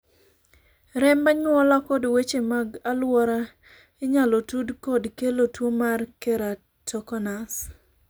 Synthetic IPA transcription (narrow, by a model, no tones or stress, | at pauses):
ɾɛmbaɲwɔlakɔdwet͡ʃemaɡalwɔɾa | ɪɲalotudkɔdkelotwomarkeɾa | tɔkɔnas